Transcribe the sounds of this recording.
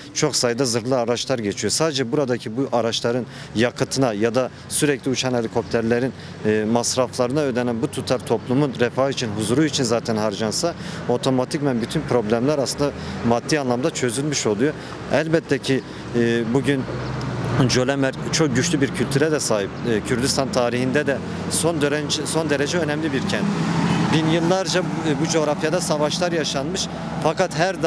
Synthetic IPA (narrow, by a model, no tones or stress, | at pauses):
t͡ʃʰo̞ksajɯd̪azɯɾlˠɯaɾat͡ʃlˠaɾɟet͡ʃʰijo̞saːd̪ed͡ʒɛbuɾad̪acʰibuʔaɾat͡ʃlˠaɾɯn | jakʰɯt̪ʰɯnajad̪a | syɾɛclʲiut͡ʃʰanhe̞lʲikʰo̞p̚t̪ʰæɾlʲeɾinː | masɾaflˠaɾɯnaøːd̪ɛnænbut̪ʰut̪ʰaɾt̪ʰo̞plˠumunɾɛfaːit͡ʃʰinɦuzuɾuit͡ʃʰinzaːt̪ʰænɦaɾd͡ʒansao̞t̪ʰo̞mat̪ʰicmænbyt̪ʰynpʰɾo̞blʲæmlʲæɾaslˠɯnd̪a | mad̪ːiːanlˠamd̪at͡ʃʰø̞zylʲmyʃo̞lˠujo | ælʲbɛt̪ʰːɛcʰi | buɟyn | d͡ʒølʲɛmæɾt͡ʃʰo̞k̚ɟyʃlʲybiɾcʰylʲt̪ʰyɾɛd̪ɛsaːɦip̚ːcʰyɾd̪yst̪ʰant̪ʰaːɾihind̪ɛd̪ɛ | sond̪ɾso̞nd̪eɾed͡ʒɛø̞nɛmlʲibiɾcʰænt̪binjɯlˠːaɾd͡ʒabud͡ʒo̞ːɾafjad̪asavaʃlˠaɾjaʃanmɯʃ | fakat̪ɦæɾd̪